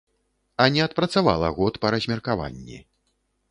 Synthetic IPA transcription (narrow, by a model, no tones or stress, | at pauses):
ɐnʲɛɐt̪̚pɾɐt̪sava̰lˠɐɣɔt̪pɐɾɐzʲmʲɛrkava̰nʲːḭ